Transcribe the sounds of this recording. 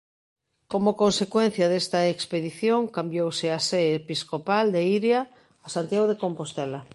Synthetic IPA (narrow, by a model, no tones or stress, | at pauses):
komokonsekwen̟θjaðest̪aekspeðiθjõŋkambjowseaseepiskopald̪eiɾjaː | sant̪jaɣoðekompost̪ɛla